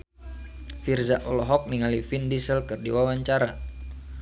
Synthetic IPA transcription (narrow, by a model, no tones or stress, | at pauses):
firzaʔɔlɔɦɔk̚niŋalifindisəlkɨrdiwawaɲt͡ʃaɾa